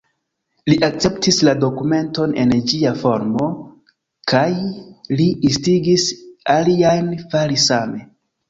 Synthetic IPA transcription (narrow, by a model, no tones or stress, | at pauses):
liʔak̚t͡se̞ptislado̞kume̞nto̞ne̞̰nd͡ʒiafo̞ɾmo̞ | kajliistiɡisaliajnfalisame̞